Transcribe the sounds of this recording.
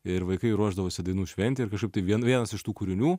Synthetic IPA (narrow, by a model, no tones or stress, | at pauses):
ɪɾʋɐɪkɐɪɾuɔʒd̪ɐʋoːsʲɪd̪ɐɪnuːʃʲʋʲɛnʲt̪ʲɪɪɾkɐʃkɐɪpt̪ɐɪʋʲiɛnʋʲiɛnɐsɪʃt̪uːkʊɾʲɪnʲuː